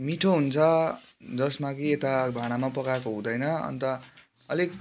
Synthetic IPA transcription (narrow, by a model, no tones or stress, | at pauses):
miʈʰoɦunt͡sʰʌ | d͡zʌsmakiet̪abʱaɽ̃amapʌkakoɦũd̪ʌjnʌʌ̰nt̪ʌ | ʌlek